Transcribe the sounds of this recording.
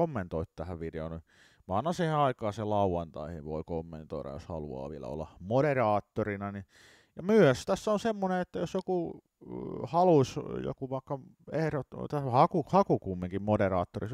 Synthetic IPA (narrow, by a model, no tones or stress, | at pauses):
omːent̪oit̪t̪æhæʋʋideoni | ʋɑːnːɑsiheɑikɑːselɑuwɑnt̪ɑ̰ihiʋʋo̰ikomːḛnt̪o̰iɾɑ̰jo̰shɑ̰lṵɑ̰ːʋiælæ̰o̰lːɑ̰moɾerɑːt̪ːorinɑni | jɑmyøst̪æsːæonsemːoneet̪ːæjosjoku | hɑlusjo̰kuʋɑˑikːɑ | ehɾot̪t̪æhɑkuhɑkukumːiŋkimmoderɑːt̪ːoris